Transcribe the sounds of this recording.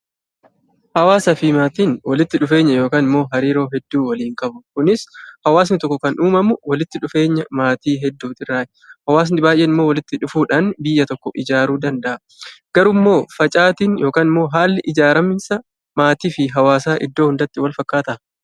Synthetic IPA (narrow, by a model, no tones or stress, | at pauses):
hɐwaːsɐfɪmaːt̪iːnwɐlɪt̪ːɪᶑʊfe̞ːɲːɐjo̞ːkaːnɪmːo̞ːɦɐɾiːɾo̞ːɦɛd̪ːuːwɐliːŋkʼɐbʊkʊnɪshɐwaːs̬nɪt̪ɔkːɔkɐnʔuːmɐmʊwɐlɪt̪ːɪᶑʊfe̞ːɲːɐmaːt̪iːɦɛd̪ːuːt̪ɪrːaːʔɛ̥ | hɐwaːs̬nɪbaːjʔeːnɪmːo̞ːwɐlɪt̪ːɪᶑʊfuːᶑanbɪjːɐt̪ɔkːɔʔɪd͡ʒaːɾuːd̪ɐnd̪ɐʔɐ | ɡ̥ɐɾʊmːo̞ːfɐt͡ʃʼaːt̪iːnjo̞ːkaːnɪmːo̞ːɦaːlːɪʔɪd͡ʒaːɾɐmɪnsɐ | maːt̪iːfɪɦɐwaːsaːʔɪ̰d̪ːo̞ːhʊnd̪ɐt̪ːɪwɐlfɐkːaːt̪ɐʔɐ